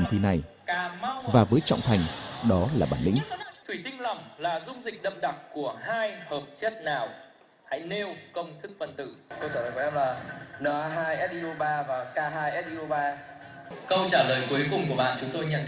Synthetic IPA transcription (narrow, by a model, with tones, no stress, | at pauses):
ŋt̪ʰi˧˩na˨˩j | kaː˨˦ma˦˥wvaː˨˩vəː˨˦jt͡ɕɔ̰˧˨wŋ͡mt̪ʰa˨˩jŋ̟ɗɔ˨˦laː˨˩ɓaː˧˩nlḭ˧˥ŋ̟t̪ʰwi˧˩t̪ï˧ŋ̟la˨˩mlaː˨˩zʊ˧ŋ͡mzï˨˩k̟̚ɗə̰˧˨˩m̚ɗa˨˩k̚ku˧˩əɦaː˧jhəː˨˩p̚t͡ɕə˦˥t̚naː˨˩w | ha̰˧˥jne˧wkə˧wŋ͡mt̪ʰɨ˦˥k̚fə˨˩nt̪ɨ̰˧˩kə˧wt͡ɕaː˧˩əː˨˩jkːmlaː˨˩nəː˨˩ʔaː˧ɦaː˧jʔɛ˦˥t̚ʔi˧ʔo˧ɓaː˧vaː˨˩kaː˧ɦaː˧jʔɛ˦˥t̚ʔi˧o˧ɓaː˧ | kə˧wt͡ɕaː˧˩ləː˨˩jku˨˦əjkʊ˨˩ŋ͡mku˧˩əɓa̰ː˧˨nt͡ɕʊ˨˦ŋ͡mt̪o˧jɲə̰˧˨n